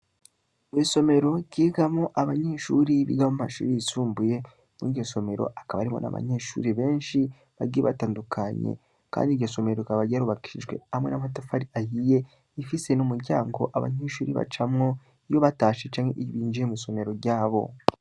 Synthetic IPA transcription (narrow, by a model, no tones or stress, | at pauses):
mwiːso̞me̞ɾo̞ɟiːɡamoʔaβaɲeʃuːɾiβḭɡahomumaʃṵːɾiisuːmbuje̞ | miɟoso̞me̞ɾo̰ʔakaβaɾimo̞̰na̰βa̰ɲe̞ːʃṵːɾiβe̞ːnʃi | βaɡiiβataːndukʰaɲḛ | ka̰ːndiɡɟoso̞me̞ɾoikaβaɾɟaɾuβaki̥iʒɡwḛhamŋe̞namatafaɾiahije̞ | ifise̞numuɾɟaːŋɡo̞̰ʔaβa̰ɲeːʃuːɾḭβa̰t͡ʃamŋo̞ | jo̞βataːʃet͡ʃaːmhḛʔiβiːnd͡ʒiemiso̞me̞ɾo̞ɾɟaːβo̞̰